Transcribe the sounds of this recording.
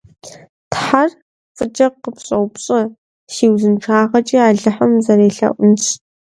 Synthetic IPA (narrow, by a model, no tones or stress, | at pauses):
tħar | fʼɨt͡ʃʼɐqəpɕʼɐwpɕʼɐ | ʃiːwzɨnʈ͡ʂʰaːʁɐt͡ʃʼiːaːɮɨħamzɐɾeːɬɐ̰ʔʷʊnt͡sʰʼ